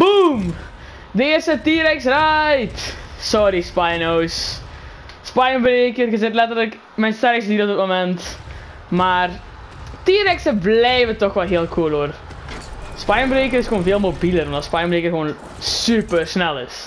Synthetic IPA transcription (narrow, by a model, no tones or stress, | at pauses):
bum | dəɪərstətiːɾɛksrajtsɔɾispajnows | spajənbɾeːkərɣəzɪtlɛtərlək | mɛjnstɛɾkstəditɔtətmomɛnt | maːr | tiːɾɛksəblɛjvətɔxʋɛlˠɦeəlˠkʰuəloər | spajənbɾeːkəɾɪsxoːnveːəlˠmobiləɾɔmdɔtspajənmbreːkərɣəʋoːn | sypərsnɛlˠɪ̰s